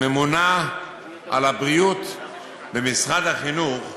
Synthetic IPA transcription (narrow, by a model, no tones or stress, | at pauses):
emuna | ʔa̰labʁijut̪ | bemisʁad̪haχinuχ